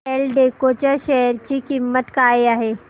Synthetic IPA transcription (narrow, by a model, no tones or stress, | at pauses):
elɖekot͡ʃəʃɛɦəɾt͡ʃikimːət̪kaːeaɦe